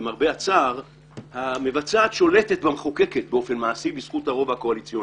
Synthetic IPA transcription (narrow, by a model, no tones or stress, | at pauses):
maʁbeat͡saʁ | hame̞vat͡saːt̪ʃo̞lete̞t̪bameχoke̞ket̪̚beo̞fe̞nmaːsibisχuthaʁo̞vhako̞alit͡sjo